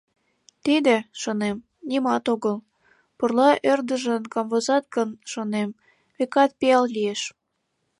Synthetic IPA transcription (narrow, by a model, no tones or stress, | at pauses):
t̪id̪eʃonem | nimɑt̪oɣəl | purlɑʔørd̪əʒənkɑmvozɑt̪̚kənʃonem | βekɑt̪̚piɑllieʃ